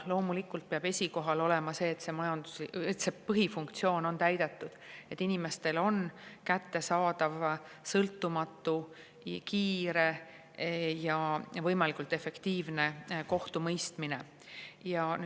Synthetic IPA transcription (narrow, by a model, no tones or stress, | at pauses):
lo̞ːmulikːˑult̪̚peɑb̥e̞sʲiko̞ɦɑlo̞le̞mɑse̞ːt̪ːse̞mɑjɑnd̪̥uet̪sepɤɦifuŋk̚t̪sio̞ːno̞nt̪æjd̪̥e̞t̪ˑːud̪̥e̞t̪ːinime̞st̪e̞lo̞nkæt̪ːe̞sɑːd̪̥ɑv | sɤlt̪ːˑumɑt̪ːˑu | kiːɾe̞ | jɑvɤjmɑlikult̪ːˑe̞fe̞kt̪iːvne̞ko̞ht̪umɤjst̪mine̞ | jɑ